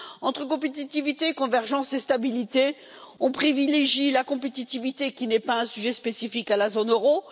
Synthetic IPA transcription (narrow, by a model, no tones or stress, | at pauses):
ɑ̃t̪χəkɔ̃pet̪it̪ivit̪eːkɔ̃vɛʁʒɑ̃sest̪abilit̪e | ɔ̃pχivileʒilakɔ̃pet̪it̪ivit̪ekʲinɛpaɛ̃syʒɛspesifikalazonøʁo